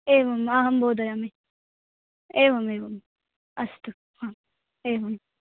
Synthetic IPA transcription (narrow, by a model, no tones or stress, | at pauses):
eːʋɐmaːɦɐmboːd̪ɐjami | eːʋɐmeːʋɐm | ɐst̪u | ha | eːʋɐm